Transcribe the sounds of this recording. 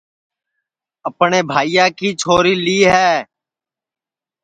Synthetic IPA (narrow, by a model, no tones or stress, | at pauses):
əpɳeːbʱaːijãːkiːt͡ʃʰoːɾiːliːɦɛː